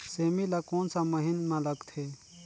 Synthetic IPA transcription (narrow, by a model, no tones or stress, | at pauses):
seːmilakoːnsaməɦinmãləɡt̪ʰeː